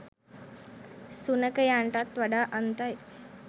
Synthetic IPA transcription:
sunəkəjãɳʈat̪ːʋəɽaʔənt̪aj

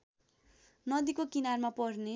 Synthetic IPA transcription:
nʌd̪ikokinarmapʌrne

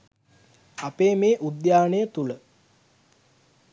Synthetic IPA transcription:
apeːmeːʔud̪jaːnəjət̪ulə

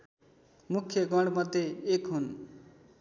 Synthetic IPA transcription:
mukʰjʌɡʌɳɽmʌd̪jeekɦun

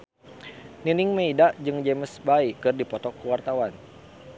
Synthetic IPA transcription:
ninɪŋməidaʔd͡ʒɨŋd͡ʒeməsbaikɨrdipɔt̪ɔkːəwart̪awan

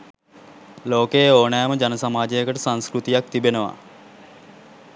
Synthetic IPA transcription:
loːkeːoːnɛːməd͡ʒanəsamaːd͡ʒejəkəʈəsanskɾut̪ijak̚t̪ibenəʋa̰

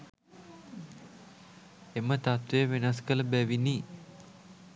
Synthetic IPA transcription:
emət̪at̪ʋejəʋenaskələbæʋini

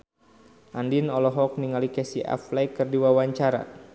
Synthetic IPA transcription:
ʔandinɔlɔɦɔk̚niŋalikɛsiʔa̰flɛkɨrdiwawaɲt͡ʃaɾa̰

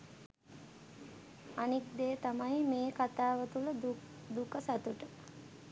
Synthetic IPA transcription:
anikd̪eːt̪amajmeːkat̪aːʋət̪ulə | d̪ukəsat̪uʈə

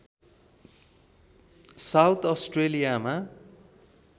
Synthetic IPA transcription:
sawt̪ʰʌsʈrelijama

